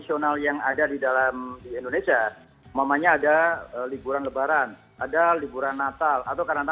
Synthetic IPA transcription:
sionaljaŋadadidalamdiindonesia | mamaɲaːdaəlibuɾanləbaɾan | ʔadalibuɾanːat̪alat̪awkanat̪a

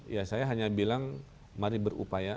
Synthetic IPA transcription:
jasajaɦaɲabilaŋ | maɾibəɾṵpaja

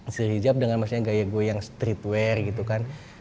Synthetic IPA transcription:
səɦid͡ʒap̚dəŋanmasuɲaɡajaɡuɛjaŋst̪ɾit̪wɛrɡit̪ukan

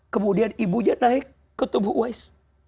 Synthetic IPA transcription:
kəmudianibuɲat̪̚laɦi | kːət̪ubuʔuajs

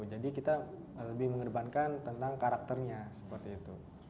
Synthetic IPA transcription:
d͡ʒadikit̪aləbɪhməŋərbankant̪ənt̪aŋkaɾak̚t̪ərɲasə̥pərt̪iːt̪ṵ

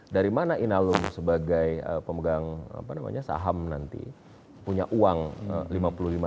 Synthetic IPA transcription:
daɾimanaʔinalʊŋsəbaɡajəpəməɡaŋa̰panama̰ɲasa̰ɦamnant̪ḭ | puɲaʔuaŋ̰limapululima

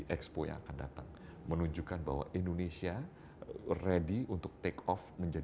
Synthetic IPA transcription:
ʔɛkspoja̰ŋa̰kanda̰t̪aŋ | mənuɲd͡ʒukanba̰ɦwa̰ʔindonesia | rediunt̪ʊk̚t̪ekɔfməɲd͡ʒa

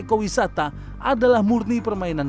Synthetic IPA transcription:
kowisat̪a | ʔadalahmurnipərmainan

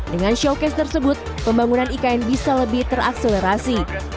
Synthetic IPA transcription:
dəŋanʃokɛst̪ərsəbʊt̪̚ | pəmbaŋunanikaɛnbisaləbɪht̪ərakseleɾasi

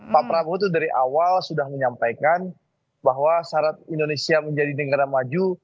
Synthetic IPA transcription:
papɾabot̪udaɾiʔa̰walsudahməɲampajkan | baɦwasaɾat̪̚indonesiaməɲd͡ʒadinəɡaɾamad͡ʒu

